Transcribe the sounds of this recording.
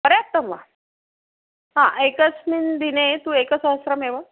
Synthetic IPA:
pəɾjap̚t̪əmʋa | ɦã̰ʔekət͡smind̪inet̪ũekət͡səɦəsɾameʋə

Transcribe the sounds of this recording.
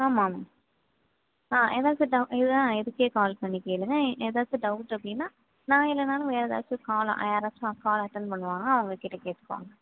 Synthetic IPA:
aːmaːmaː | aːʔḛːðaːt͡ʃɯɖɐʊʔɪðɯãːɛðɯkːeːkaːlpɐɳːikeːɭːɯŋɡɐʔeːðaːt͡ʃɯɖɐʊʈːɐpːɐɽɪnːaː | nãːɪlːɛnaːlɐ̃ʋeːɾɐða̰ːt͡ʃːɯkaːlõ̰ʔɐ̰jaːɾaːt͡ʃːʊ̃ɐkːaːlɐʈːɐnɖpɐɳːɯʋaːnŋɡɐɐʋɐŋɡɐkɪʈːɐkeːʈːɯ̥kːa̰ːŋɡɐ

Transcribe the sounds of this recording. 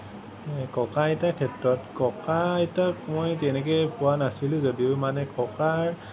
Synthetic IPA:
ɛkɔkaɛtakʰɛtɹɔtkɔkaɛtakmojtɛnɛkɛpʊwanasilʊ̃zodiʊmanɛkɔkaɹ

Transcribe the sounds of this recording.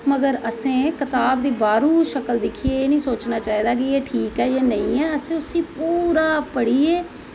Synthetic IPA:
məɡəɾəsẽːkɪt̪aːbd̪iːbaːɾuːʃəkəld̪ɪkʰieeːnĩːsoːt͡ʃnaːt͡ʃaːiːd̪aːk̬ɪeːʈʰiːkɦɛːjeːnəĩːɛːəsẽːʊsĩːpuːɾaːpəɽiːeː

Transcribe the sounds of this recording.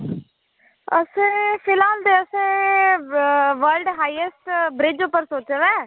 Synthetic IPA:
əsẽpʰɪlaːld̪eːəsẽː | ʋəɾlɖɦaːiəsʈbɾɪd͡ʒupəɾsoːt͡ʃʋɛ̃ː

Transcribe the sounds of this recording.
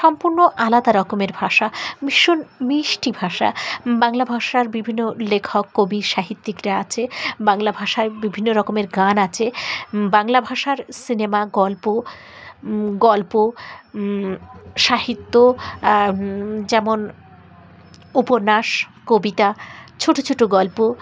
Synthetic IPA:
ʃɔmpuɾnoʔalad̪aɾɔkomeɾbʱaʃamiʃonmiʃʈibʱaʃa̰baŋlabʱaʃaɾbibʱinːolekʰokːobiʃaɦit̪ːikɾaat͡ɕʰebaŋlabʱaʃaɾbibʱinːoɾɔkomeɾɡanat͡ɕʰebaŋlabʱaʃaɾsinemaɡɔlpo | ɡɔlpo | ʃaɦit̪ːo | d͡ʑɛmon | upoɾnaʃkobit̪at͡ɕʰoʈot͡ɕʰoʈoɡɔlpo

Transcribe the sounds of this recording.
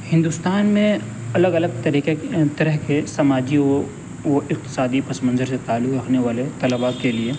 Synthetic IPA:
hɪ̃nd̪ust̪aːnmẽ | ɐləɡɐləɡ̚t̪ɐɾiːqet̪ɐɾəɦkesɐmaːd͡ʒiɔ | ʋoɪq̚t̪ɪ̥saːd̪ipɐsmə̃nzəɾset̪aːlːʊkɾɐkʰneʋaːlet̪ɐləbakelie

